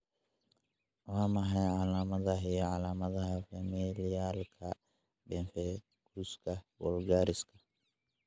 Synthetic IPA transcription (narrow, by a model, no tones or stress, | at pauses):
waːmɐɦɛjʕalaːmɐðɐɦɛjɔʕalaːmɐðɐhɐfɐmilɪjaːlkʰɐ | bɛnfɛ | ɡ̥uskʰɐwɔ̰lɡaːɾɪskʰɐ̥